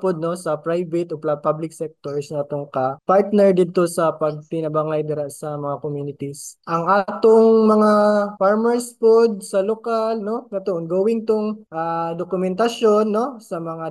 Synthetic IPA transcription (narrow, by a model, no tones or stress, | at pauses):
pod̪̚no̞sɐpɾajvɛt̪ʔoplapablɪk̚sɛk̚t̪oɹsnɐt̪oŋkɐpaɹt̪nɛɹd̪ɪd̪̚t̪o̞sɐpɐɡ̚t̪ɪnɐbaŋajd̪ɐɾaʔsɐmɐŋakomjuːnɪt̪isʔɐŋʔaːt̪oŋmɐŋafaɹmɛɹspod̪̚sɐlokalno̞nɐt̪oʔonɡowɪŋt̪oŋʔad̪okʊmɛnt̪ɐʃo̞nːo̞sɐmɐŋa